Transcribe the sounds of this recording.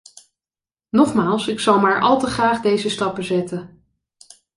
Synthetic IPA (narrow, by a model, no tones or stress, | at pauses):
nɔχmaːlˠsɪksɑlˠmaːɹʔɑ̰lˠtəχraːχdejzəstɑpəzɛtə